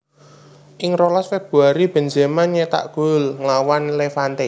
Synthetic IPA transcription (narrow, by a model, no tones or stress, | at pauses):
ʔɪŋɾolasfeb̥ṳaɾib̥ɛ̤nzɛmanɲet̪a̰ʔɡ̥ʊlŋlawanlefant̪e